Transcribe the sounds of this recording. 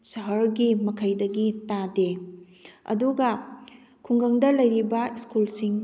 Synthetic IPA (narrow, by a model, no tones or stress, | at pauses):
sɐɦɐɾɡimɐkʰɐjdɐɡitade | ɐ̰duɡɐ | kʰuŋɡɐŋdɐlɐjɾibɐiskulsiŋ